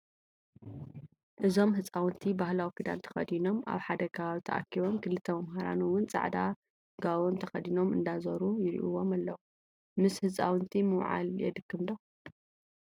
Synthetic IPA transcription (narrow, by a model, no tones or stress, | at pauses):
ʔɨzo̞mɦɨt͡sʼawɨnt̪ʰibahlawikid̪a̰nt̪ʰɐ̥xɐ̰d̪ino̞mʔa̰βħad̪ɐkʰɐβaβit̪ʰɐʔa̰kʰːiβo̞mkʰɨlɨt̪ʰːɐmɐmɦaɾa̰nuwːʊnt͡sʼa̰ʕd̪a | ɡaβont̪ʰɐxɐd̪ino̞mɨ̰nd̪azɐɾujɪɾḭʔuwo̞malːɐwu | mɨshɨt͡sʼa̰wɨnt̪ʰimɨwʕa̰ljɛ̰d̪ɨkʰːɨmd̪o